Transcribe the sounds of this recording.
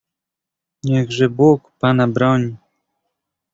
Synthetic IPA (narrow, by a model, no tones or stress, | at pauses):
ɲɛɣʐɛbukpanabɾɔɲi